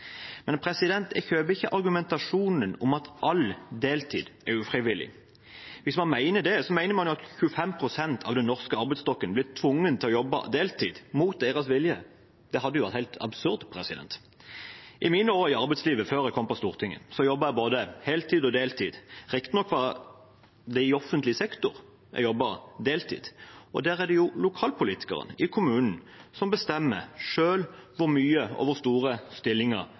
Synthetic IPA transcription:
mɛnpʰɾɛsɪd̪ɛnt̪ɛçøːbəɪçːəʔɑɾɡʉmɛnt̪ɑʂuːnənʊmɑt̪ʔɑld̪eːlt̪ʰḭːd̪ʔɛʁʉfʁɪʋɪlɪ̰ | ʋɪsmɑnmæɪnəd̪ɛsɔmæɪnəɾmɑnjʊɑt̪çʉfɛmpʰɾʊsɛnt̪ʰɑ̰ːʋd̪ɛnːɔʁskəɑɾʁbɛɪst̪ɔkːənblɪt̪ʰʋʊŋːənt̪ʰɪlɔjɔbːɑ̰d̪eːlt̪ʰḭːd̪muːt̪̚d̪eːʁɑsʋɪljə̰ | d̪̥ɛhɑd̪ːəjʊʋæʁt̪hæɪlt̪ʰɑ̰bsʉɾd̪pʰɾɛsɪd̪ɛ̰nt̪ | ʔɪmiːnəoːɾɪɑɾʁbɛɪt̪sliːʋəføːɾɛkʰɔmpɔst̪uːʁt̪ʰɪŋːə̰sɔjɔbːɑɛboːd̪əhɛlt̪ʰiːd̪ɔd̪eːlt̪ʰiːd̪ʁɪkt̪ɪnɔkʰːʋɑ | d̪ɛɪɔfənt̪lɪsɛkt̪ʊɾ | ɛ̰jɔbːɑd̪eːlt̪ʰḭːd̪̥ɔ̰d̪æːʁæd̪ɛjʊlʊkʰɑːlpʊliːt̪ɪ̥kɑ̰ʁə̰nəʔɪkʰʊmʉːnn̩ | sɔmbəst̪ɛmːəʂøːlʋʊʁmyːəo̰ːʋəʁst̪uːʁəst̪ɪlːɪŋə̰ʁ

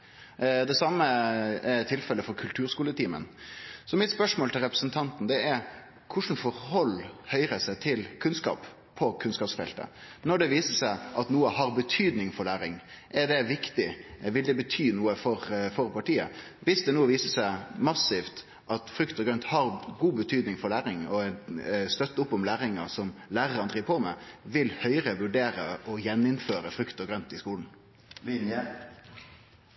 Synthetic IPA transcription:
d̪ɛsɑmːəɛt̪ʰːɪlfɛlːəfɔɾkʰʉlt̪ʰʉːɾskuːlət̪ʰiːmə̰nsɔmɪt̪spœʂmoːlt̪ɪlɾɛpɾəsənt̪ʰɑnt̪n̩d̪ɛɛɾ | kʰʊʂn̩fɔɾhɔlːhœʏɾəsæɪt̪ʰɪlkʰʉnskɑ̰ːp | pʰːɔkʰʉnskɑːpsfɛlt̪ə̰nɔɖɛʋiːsəsæɪʔɑt̪nuːəhɑɾbət̪ʰyːd̪nɪŋfɔɾɭæːɾɪŋ | ʔɛd̪ɛʋɪkt̪ɪʋɪld̪ɛbət̪ʰyːnuːəfɔɾfɔɾpɑʈiːə̰ | ʋɪsd̪ɛnuːəʋiːsəsæɪmɑsɪft̪ | ʔɑt̪fɾʉkt̪ɔɡɾœnt̪hɑɾɡuːbət̪ʰyːd̪nɪŋfɔɾɭæːɾɪŋɔɛnst̪œt̪ːəʊpːɔmlæːɾɪŋɑsɔmlæːʁəɾənd̪ʁiːʋəpʰɔmɛʋɪlhœʏɾəʋʉɖeːɾəʔɔjɛnːɪnføːɾəfɾʉkt̪ɔɡɾœnt̪ɪskuːln̩ | lɪnjə

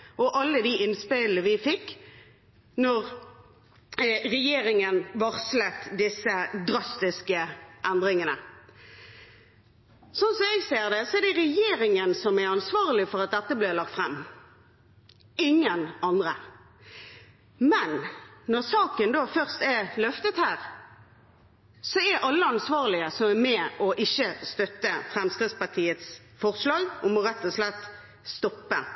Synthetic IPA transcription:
ʔɔʔɑlːəd̪iɪnspɪləʋɪfɪkː | nɔʁ | ʁɛjeːɾɪŋənʋɔʁslət̪d̪ɪsːəd̪ɾɑst̪ɪskəʔænd̪ʁɪŋənə̰ | sɔnsɔɛɡseːʁd̪ɛsɔæd̪ɛʁɛjeːɾɪŋənsɔmæɑnsʋɑːʁəlɪfɔʁɑt̪̚d̪ɛt̪ːəblɪːlɑk̚t̪fʁɛmː | ɪŋːənɑnd̪ʁə | mɛnnɔʁsɑːkənd̪oːfœʁst̪ɛlœft̪ət̪hæːʁ | sɔæɾʔɑlːəɑnsʋɑːʁlɪəsɔmæmɛɔʔɪçːəst̪œt̪ːəfɾɛmskʁɪd̪spɑʁt̪ʰiːət̪s | fɔʁslɑːɡɔmɔɾɛt̪ːɔslɛt̪ː | st̪ɔpːə̰

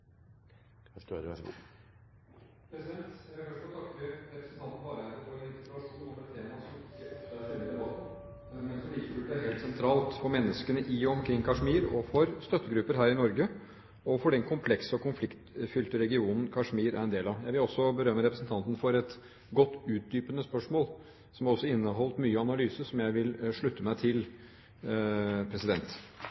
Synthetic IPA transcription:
skø̰ɾəɛ̰s | pʰɾɛsɪd̪ɛnt̪jæɡɔfɔɾɔt̪ʰɑkːəɾɛpɾəsn̩t̪ʰɑnt̪n̩bɑːɾəɛt̪ːəfɔɾɛɪnsɾɑʂuːnɔfɔd̪ɛt̪ʰːeːmɑsɔmkːəɑsɛnːəd̪ɛbɑt̪ə | æɾɛnɡɑsɔmliːkəbʉæɾɦeːlt̪sɛnt̪ʰɾɑːlt̪fɔɾmɛnːəskənəʔɪɔmkʰɾɪŋːkʰɑʂmiːɾɔfɔɾst̪œt̪ːəɡɾʉpːəɾɦæːɾɪnɔɾɡə | ɔfɔɖɛnkʰʊmpʰlɛksəɔkʰʊnflɪkt̪fʏlt̪əɾɛɡɪuːnn̩kʰɑʂmiːɾæ̰ɾɛnd̪eːlɑʋjæɪʋɪlɔsːɔbəɾœmːəɾɛpɾəsn̩t̪ʰɑnt̪ən̩fɔɾɛt̪ | ɡɔt̪ːʉːt̪̚d̪yːpənəspœʂmoːl | sɔmɑɾɔsːɔɪnːəɦɔlt̪myːəɑnɑlyːsəsɔmjæɪʋɪlʂɭʉt̪ːəmæɪt̪ʰɪl | pʰɾɛsɪd̪ɛnt̪

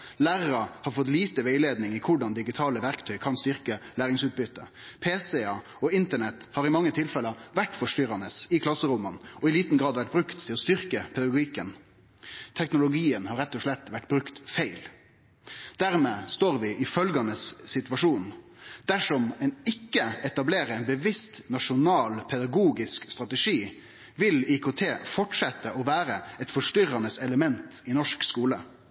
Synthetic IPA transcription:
læːɾəɾəhɑɾfɔt̪liːt̪əʋeɪleːd̪nɪŋikʰʊɖɑnd̪ɪɡɪt̪ʰɑːləʋæʁkt̪ʰœʏkʰɑnst̪ʏɾkəlæːɾɪŋsʉːt̪̚bʏt̪ːə̰pʰeːsɛɑ | ɔɪnt̪əɳɛt̪ːhɑːɾɪmɑŋːət̪ʰɪlfɛlːəʋæʈːfɔʂʈʏɾɑnəsɪkʰlɑsəɾʊmənɔɪliːt̪n̩ɡɾɑːd̪ʋæʈ̚bɾʉkt̪ʰɪlɔst̪ʏʁkəpʰɛd̪ɑɡʊiːkən | t̪ʰɛknʊlʊɡiːənhɑɾɛt̪ːɔʂɭɛt̪ːʋæʈːbɾʉkt̪fæɪl | d̪̥æɾmeːst̪oːɾʋɪʔɪfœlɡɑnəsːɪt̪ʋɑʂuːn | d̪̥æʂɔmɛnɪkːəɛt̪ɑbleːɾəɛɪnbəʋɪst̪nɑʂʊnɑːlpʰɛd̪ɑɡuːɡɪskst̪ɾɑt̪əʂiː | ʋɪlɪkʰot̪ʰeːfɔʈʂɛt̪ːəʔɔʋæːɾəɛt̪fɔʂʈʏɾɑnəsɛləmɛnt̪ɪnɔʂkskuːlə

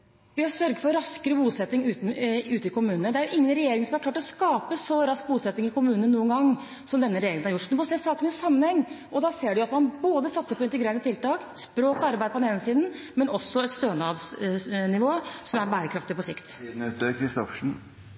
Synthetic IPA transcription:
ʋɪɑsœɾɡəfɔɾɾɑskəɾəbuːsɛt̪nɪŋʉːt̪ʉːt̪əɪkʊmʉːnənəd̪ɛæɾjʊʔɪŋːənɾɛjeːɾɪŋsɔmhɑklɑːʈɔskɑːpəsɔɾɑsk̚buːsɛt̪nɪŋɪkʰʊmʉːnəənuːənɡɑŋː | sɔmd̪ɛnːəɾɛjeːɾɪŋənhɑɾjʊʈsɔd̪ɛmɔseːsɑːkənɪsɑmːənhɛŋː | ɔd̪ɑseːɖʉjʊɑt̪mɑnboːd̪əsɑt̪səɾpʰɔɪnt̪əɡɾeːɾəɳət̪ɪlt̪ɑːkspɾoːkɔɑɾbæɪd̪̚pɔd̪nɛːnəsiːd̪n̩ | mɛnɔsːɔɛt̪st̪øːnɑːd̪snɪʋoːsɔmæɾbæːɾəkʰɾɑft̪ɪpɔsɪkt̪ːt̪əkʰɾɪst̪ɔfʂɳ̩

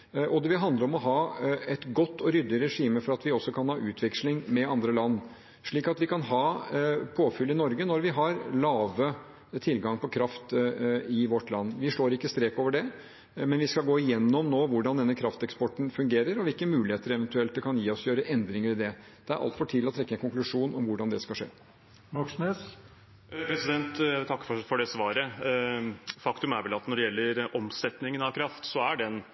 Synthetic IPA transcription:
ʔɔd̪ɛʋɪɦɑnd̪ləɾɔmɔɦɑːɛt̪ɡɔt̪ːɔɾʏd̪ɪɾɛʂiːməfɔɾɑt̪ʋɪɔsːɔkʰɑnhɑːʔʉːt̪ʰʋɛkʂlɪŋmɛɑnd̪ɾəlɑnː | ʂɭiːkɑt̪ʋɪkʰɑnɦɑːpʰoːfʏlːɪnɔɾɡənɔɾʋɪɦɑɾlɑːʋə | t̪ʰɪlɡɑŋpʰɔkʰɾɑft̪ɪʋɔʈlɑnːʋɪʂoːɾɪkːəst̪ɾeːkoːʋəɖɛ | mɛnʋɪskɑlɡoːɪjɛnːɔmnoːʋʊɖɑnd̪ɛnːəkʰɾɑft̪ɛkspɔʈːɳ̩fʉŋɡeːɾəɾɔʋɪlkəmʉːlɪheːt̪əɾɛʋɛnt̪ʉɛlt̪̚d̪ɛkʰɑnjiːɔsjøːɾəʔɛnd̪ɾɪŋəɾɪd̪ɛd̪̥ɛæɾʔɑ̰lt̪fɔʈʰɪːlɔt̪ʰɾɛkːəɛnkʊŋklʉʂuːnʔɔmʋʊɖɑnd̪ɛskɑʂḛː | mɑksneːs | pʰɾɛsɪd̪ɛnt̪ælt̪ʰɑkːə̥fɔfɔɖɛsʋɑːɾə | fɑkt̪ʉmæɾʋɛlɑt̪nɔɖɛjɛlːəɾɔmsɛt̪nɪŋənɑʋkʰɾɑft̪sɔæɖɛn

